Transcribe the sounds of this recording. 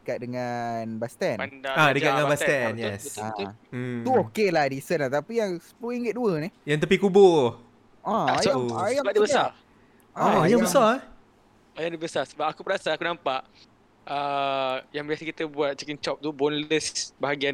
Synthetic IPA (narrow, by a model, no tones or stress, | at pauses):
əkat̪̚dəŋanbast̪ɛnadaadəkatdəŋambast̪ɛnjɛsa | t̪uokelahdisənlat̪apijaŋspuiŋɡət̪̚duənijaŋt̪̬əpikubo | aajajabadəbəa | ɔjaŋbəsa | ajaŋdəbəsasəbap̚akupəɾasaakunãmpaʔ | ə | jaŋbiasəkit̪əbuat̪̚t͡ʃəkint͡ʃɔp̚t̪ubonləsbaɦaɡian